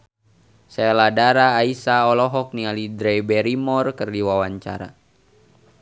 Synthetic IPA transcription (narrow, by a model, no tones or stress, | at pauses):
sɛladaɾaːisaɔlɔɦɔk̚nialidɾɛbɛɾimɔrkərdiwawaɲt͡ʃa̰ɾa̰